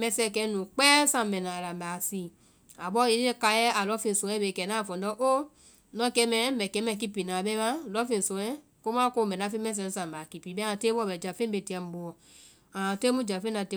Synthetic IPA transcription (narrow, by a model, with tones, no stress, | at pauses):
mɛ˨sɛ˧˨kɛ˧˦nũ˨k͡pɛ˦sã˨mɛ˨na˨ɾa˨mba˨si˨ | a˨bɔ˦i˦e˦ka˧jɛ˦a˨lɔ˨˦fe˨sõ˨˦ɛ˦be˨kɛ˨na˦˨fɔ˨ndɔ˦ʔo˦ | nɔ̃˦kɛ˦mɛ˨˦mɛ˨kɛ˨˦mɛ˨ki˦pi˨na˨bɛ˦ma˦˨lɔ˦fe˨so˨ɛ˦ | ko˦ma˦ko˦˨mɛ˨n˨a˨˦fe˦mɛ˦s̬ɛ˦n˦sã˨ba˨ki˨pi˨bɛ˦a˨te˦bɔ˦˨bɛ˨d͡ʒa˨fe˦mbe˨ti˨˦ɛ˨m̩˨bu˨ɔ˨ | a˨te˦mu˦d͡ʒa˨fe˦na˨te˦